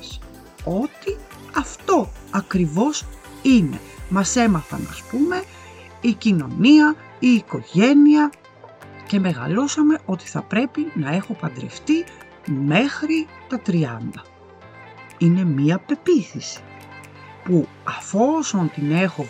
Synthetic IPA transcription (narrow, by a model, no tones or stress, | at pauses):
s | o̞t̪i | ɐft̪o̞ɐkɾivo̞s | ine̞̰mɐse̞mɐθɐ̰nɐ̰spume̞ | icino̞niɐ | iːko̞ʝe̞niɐ | ce̞me̞ɣɐ̰lo̞sɐme̞ʔo̞t̪i̥θɐpɾe̞pinɐe̞xo̞pɐnd̪ɾe̞̰ft̪i | me̞xɾit̪ɐt̪ɾiɐnd̪ɐ | ine̞miɐpe̞piθisi̥ | pu | ɐfo̞so̞nt̪ine̞xo̞